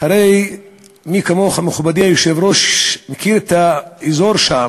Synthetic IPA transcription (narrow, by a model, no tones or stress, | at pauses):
haɾe̞j | mikamoχameχubad̪iajoʃevɾoʃmekiɾet̪aezoɾʃam